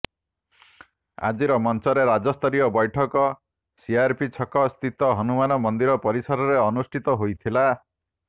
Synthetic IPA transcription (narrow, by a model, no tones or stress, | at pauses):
a̰d͡ʒiɾɔmɔnt͡ʃɔɾeɾad͡ʒɔst̪ʰɔɾijɔbɔjʈʰɔkɔ | siaɾpit͡ʃʰɔkɔst̪it̪ɔɦɔnumanɔmɔnd̪iɾɔpɔɾisɔɾɔɾeɔnusʈʰit̪ɔɦojt̪ʰila